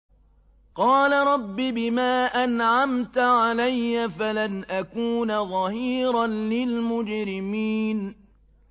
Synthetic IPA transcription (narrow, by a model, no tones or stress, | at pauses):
qɑːlaɾˤɑbːibɪmaːʔanʕamt̪ʕalajːafalanʔakuːnaðˤɑhiːɾanlɪlmʊd͡ʒɾɪmiːn